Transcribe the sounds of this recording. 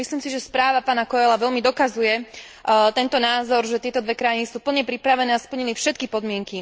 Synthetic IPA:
misliːmsiʒɛspɾaːʋapaːnakɔɛlaʋɛʎmid̪ɔkazujɛ | t̪ɛnt̪ɔnaːzɔɾʒɛt̪ɪɛt̪ɔd̪ʋɛkɾajinisuːpl̩ɲɛpɾipɾaʋɛnɛːaspl̩ɲilifʃɛt̪̚kipɔd̪mɪɛŋki

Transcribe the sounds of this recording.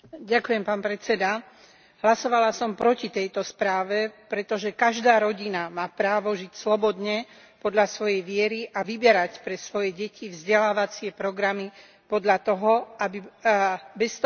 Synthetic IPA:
ɟakujɛmpaːnpɾɛt̪t͡sɛd̪a | ɦlasɔʋalasɔmpɾɔcit̪ɛjt̪ɔspɾaːʋɛpɾɛt̪ɔʒɛkaʒd̪aːɾɔɟinamaːpɾaːʋɔʒicslɔbɔd̪ɲɛ | pɔd̪ʎasʋɔjɛjʋɪɛɾiʔaʋibɛɾacpɾɛsʋɔjɛɟɛcivzɟɛlaːʋat͡sɪɛpɾɔɡɾami | pɔd̪ʎat̪ɔɦɔabi | bɛst̪ɔ

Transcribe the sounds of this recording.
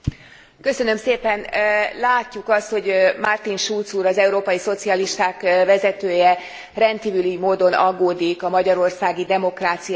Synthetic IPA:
kø̞sø̞nø̞mseːpɛnlaːcːukɒst̪ho̞ɟmart̪inʃult̪suːɾɒzɛuɾoːpɒjiso̞t̪siɒliʃt̪aːkvɛzɛt̪øːjɛ | rɛnt̪kiːvylymoːd̪o̞nʔɒɡːoːd̪ikɒmɒɟɒɾo̞rsaːɡid̪ɛmo̞kraːt̪sij

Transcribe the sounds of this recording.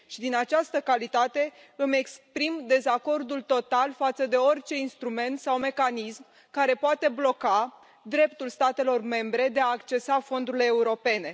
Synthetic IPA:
ʃid̪inat͡ʃast̪əkalit̪at̪e̞ɨme̞kspɾimd̪e̞zako̞rd̪ult̪o̞t̪alfat̪səd̪e̞o̞rʲt͡ʃe̞inst̪ɾume̞nt̪sawme̞kanism | kaɾe̞poat̪e̞blo̞ka | d̪ɾe̞pt̪ulst̪at̪e̞lo̞rme̞mbɾe̞d̪e̞aːkt͡ʃe̞safo̞nd̪uɾile̞ːuɾo̞pe̞ne̞

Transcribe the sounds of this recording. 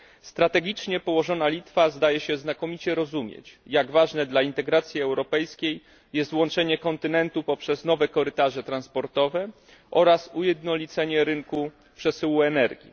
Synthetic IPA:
st̪ɾat̪ɛɡʲit͡ʂɲɛpɔwɔʐɔnalʲit̪fazd̪ajɛɕɛznakɔmʲit͡ɕɛɾɔzumʲjḛt͡ɕjaɡvaʐnɛd̪laint̪ɛɡɾat̪sʲjiɛwɾɔpɛjskʲej | jɛst̪wɔnt͡ʂɛɲɛkɔnt̪ɘnɛnt̪upɔpʂɛznɔvɛkɔɾɘt̪aʐɛt̪ɾanspɔɾt̪ɔvɛ | ʔɔɾasujɛd̪nɔlʲit̪sɛɲɛɾɘŋku | pʂɛsɘwuɛnɛɾɡʲḭ

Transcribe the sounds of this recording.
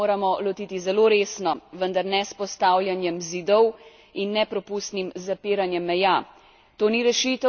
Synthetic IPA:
oːɾamɔlɔt̪iːt̪izɛloːɾeːsnɔʋənd̪aɾnɛspɔst̪aːwlʲjanjɛmzid̪ɔw | inːɛpɾɔpust̪nimzapiːɾanjɛmːɛja | t̪oːniɾɛʃiːt̪ɛ

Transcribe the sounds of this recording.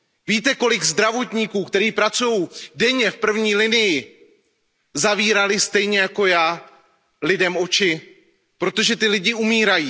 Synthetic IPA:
viːt̪ɛko̞lɪɡzd̪ɾavo̞t̪ɲikuːkt̪ɛɾiːpɾat͡sujo̞wdɛɲɛfpr̩vɲiːlɪnɪjɪ | zaviːɾalɪst̪ɛjɲɛjako̞jaː | lɪdɛmo̞t͡ʃɪ | pɾo̞t̪o̞ʒɛt̪ɪlɪɟɪumiːɾajiː

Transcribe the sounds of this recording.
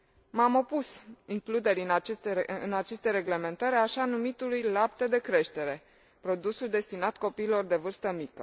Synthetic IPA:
mamo̞pusiŋklud̪e̞ɾinat͡ʃest̪eɨnat͡ʃe̞st̪e̞ɾe̞ɡle̞me̞nt̪əɾʲaʃanumit̪ulujlap̚t̪e̞d̪e̞kɾe̞ʃt̪e̞ɾe̞ | pɾo̞d̪usuld̪e̞st̪inat̪ko̞piːlo̞rd̪e̞vɨrst̪əmikə̰

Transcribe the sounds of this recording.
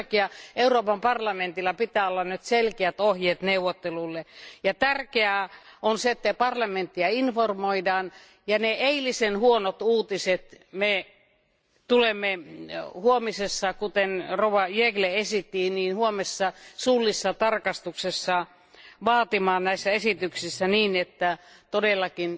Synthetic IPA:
kiɑeuroːpɑmpɑrlɑment̪ilːɑpit̪æːolːɑnnyt̪selkeæt̪ohjeːt̪neuwːot̪ːelulːejɑt̪ærkeæonseet̪ːæpɑrlɑment̪ːiɑinformoidɑːn | jɑneeilisenhuonot̪uːt̪iset̪me | t̪ulemːehuomisesːɑkut̪enrowɑjeɡleesit̪ːiːniːnhuomesːɑsulːisːɑt̪ɑrkɑst̪uksesːɑ | ʋɑːt̪imɑːnnæisːæesit̪yksisːæniːnet̪ːæt̪odelːɑkin

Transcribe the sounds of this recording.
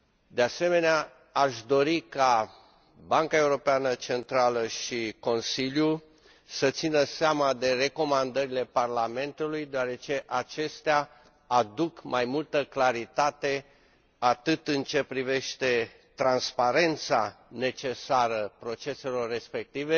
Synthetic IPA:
d̪e̞ase̞me̞nea | aʃd̪o̞ɾika | baŋkae̞uɾo̞peanət͡ʃe̞nt̪ɾaləʃiko̞nsilju | sət̪sinəseamad̪e̞re̞ko̞mand̪əɾile̞parlame̞nt̪ulujd̪oaɾe̞t͡ʃe̞ʔat͡ʃe̞st̪ea | ad̪ukmajmult̪əklaɾit̪at̪e̞ | at̪ɨt̪ɨnt͡ʃe̞pɾive̞ʃt̪e̞ | t̪ɾanspaɾe̞nt̪sane̞t͡ʃe̞saɾəpɾo̞t͡ʃe̞se̞lo̞rːe̞spe̞k̚t̪ive̞

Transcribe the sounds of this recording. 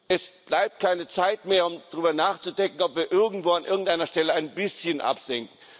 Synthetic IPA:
ʔɛsb̥laɪp̚t̚kʰaɪnət͡saɪtmeːɐʊmd̥ʁyːbɐnaːχt͡sudɛŋkŋ̩ɔpv̥iːɐʔɪɐɡŋ̩tv̥oːanʔɪɐɡŋ̩tʔaɪnɐʃtɛləaɪnbɪsçənʔa̰pz̥ɛŋkŋ̩

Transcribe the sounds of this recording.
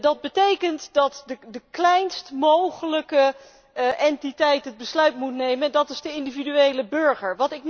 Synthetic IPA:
dɑd̚bətejkəntdɑtdədəklɛjnstmowχələkə | ʔɛntitɛjtɦəd̚bəslœɥtmutnejməɛndɑtɪzdəɪndividyejləbøɹχəɹʋɑtɪk̚

